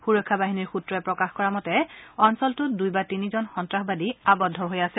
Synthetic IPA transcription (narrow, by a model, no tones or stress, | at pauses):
xuɹɔkʰːabaɦiniɹxutɹɔɛpɹɔkaxkɔɹamɔtɛɔnsɔltʊdujbatinizɔnxɔntɹaxbadiabɔdʱːɔɹɦojasɛ